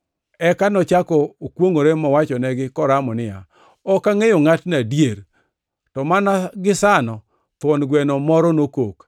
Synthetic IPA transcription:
ɛkanɔt͡ʃakɔːkwoŋoɾemɔwat͡ʃɔnɛɡɪkɔɾamɔnɪja̰ | ɔkaŋejoŋatnadjeɾ | tɔmanaɡɪsanɔ | t̪wɔnɡwɛnɔmɔɾɔnokok

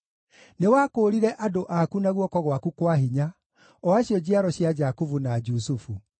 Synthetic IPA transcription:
newaːkoːɾiɾɛʔadoʔakunaɣwɔkɔɣwakukwaɦiɲa | ɔaɕjɔd͡ʑiaɾɔɕjad͡ʑakuvunad͡ʒusufu

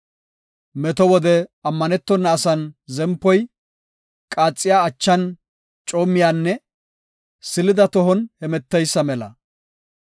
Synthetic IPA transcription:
mɛt̪ɔwɔd̪ɛɐmːɐnɛt̪ːɔnːɐːsɐnzɛmpːɔj | kʼaːt͡sʼːɪjaːt͡ʃːɐn | t͡ʃʼoːmːɪjaːnːɛ | sɪlɪd̪ɐt̪ɔɦɔnhɛmɛt̪ːɛjsːɐmɛlɐ̰

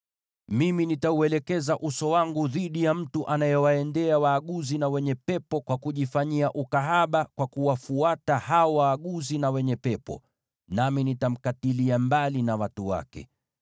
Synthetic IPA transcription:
miminitauɛlɛkɛzaʔusɔwaŋɡuðiɗijam̩tuʔanajɛwaɛndɛawaːɠuzinawɛɲɛpɛpɔkwakuʄifaɲiaʔukaɦaɓakwakuwafuatahaɔwaːɠuzinawɛɲɛpɛpɔ̰ | naminitam̩katiliambalinawatuwa̰kɛ̰

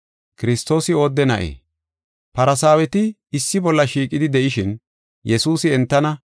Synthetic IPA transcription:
kɪɾɪst̪ːo̞ːsɪo̞ːd̪ːɛnɐʔḛː | pɐɾɐsaːwɛt̪ɪ | ɪsːɪbɔlːɐʃiːkʼːɪd̪ɪd̪ɛʔɪʃɪn | jɛsuːsɪɛnt̪ːɐnɐ

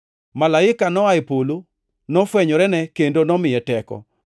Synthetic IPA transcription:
malaɪkanɔaɪpolo | nɔfwɛɲɔɾɛnɛkendonɔmɪjɛtɛkɔ̰

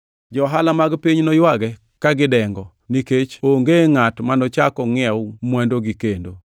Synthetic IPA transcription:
d͡ʒɔɦalamaɡpiɲnɔjwaɡɛ | kaɡɪdɛŋɡɔ | niket͡ʃoŋɡeŋatmanɔt͡ʃakɔŋɪɛwmwɛndoɡikendo̰

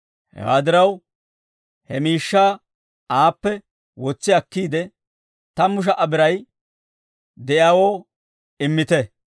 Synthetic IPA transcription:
hɛ̰wa̰ːd̪ɪɾɐw | hɛmiːʃːaː | ʔaːpːɛ | wɔt͡sːɪɐkːiːd̪ɛ | t̪ɐmʊʃ̬ɐʔɐbɪɾɐj | d̪ɛʔjaːwoː | ɪmːɪt̪ɛ

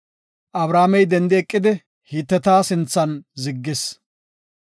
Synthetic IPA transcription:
ʔɐbɾaːmɛjd̪ɛnd̪ɪɛkʼːɪd̪ɪ | hiːt̪ːɛt̪aːsɪnt͡sːɐnzɪɡːɪs

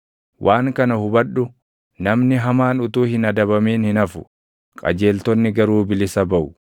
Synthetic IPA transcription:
wʔaːŋkɐnɐhʊbɐɗːʊ | nɐmnɪɦɐmaːnʊt̪uːhɪnɐd̪ɐβɐmeːnhɪnɐfʊ̥ | kʼɐ̰d͡ʒe̞ːlt̪ɔnːɪɡɐɾuːbɪlɪsɐbɐʔʊ

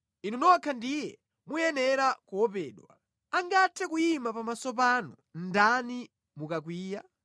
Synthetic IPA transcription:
inunɔwakʰandijɛ | mujɛnɛɾakuwɔp̬ɛːɗwa̰ | aŋɡatʰɛkujimapamasɔp̬anu | ndani | mukak̬wiːja

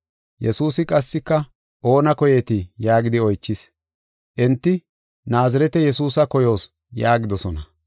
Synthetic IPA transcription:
jɛsuːsɪkʼɐsːɪkːɐ | ʔo̞ːnɐkɔjeːt̪ɪjaːɡɪd̪ɪɔjt͡ʃːɪs | ʔɛnt̪ːɪ | naːzɐɾɛt̪ɛjɛsuːsɐkɔjo̞ːs | jaːɡɪd̪ɔsɔnɐ

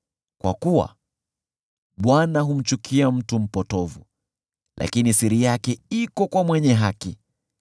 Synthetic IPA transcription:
kwa̰kuwa̰ | ɓwanaɦum̩t͡ʃukʰiam̩tum̩pɔtɔvṵ | lʔa̰kinisiɾijakɛikɔkwamwɛɲɛɦaki

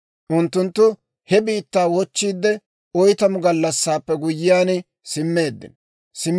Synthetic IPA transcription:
ʔʊnt̪ːʊnt̪ːʊ | hɛbiːt̪ːaːwɔt͡ʃːiːd̪ːɛ | ɔjt̪ɐmʊɡɐlːɐsːaːpːɛɡʊjːɪjaːn | sɪmːe̞ːd̪ːɪ̰n | sɪmː

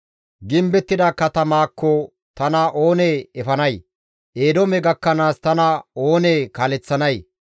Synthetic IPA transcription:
ɡɪmbɛt̪ːɪd̪aːkɐt̪ɐmaːkːɔ | t̪ɐnaʔoːneːɛfɐnɐj | ʔeːd̪ɔmɛɡɐkːɐnaːst̪ɐnao̞ːneːkaːlɛt͡sːɐnɐj

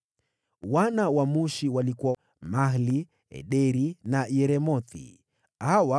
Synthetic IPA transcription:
wanawamuʃiwalikuwa | mahli | ɛ̰ɗɛɾinajɛɾɛmɔθḭ | hawa

